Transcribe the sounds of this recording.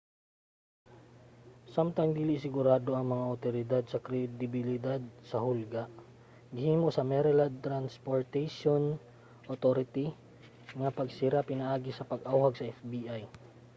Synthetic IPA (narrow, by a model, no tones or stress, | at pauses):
samt̪ɐŋd̪iːlɪsɪɡʊɾaːd̪o̞ʔɐŋmɐŋaʔɐt̪oɾɪd̪ad̪̚sɐkɾɛd̪ɪbɪlɪd̪ad̪̚sɐhʊlɡaʔ | ɡɪhiːmosɐmɛɾɛlɐd̪̚t̪ɾanspoɹt̪ɛjʃon | ʔot̪oɾɪt̪i | ŋɐpɐɡsɪɾapɪnɐʔaːɡɪsɐpɐɡʔawhɐɡ̚sɐʔɛfbiʔaj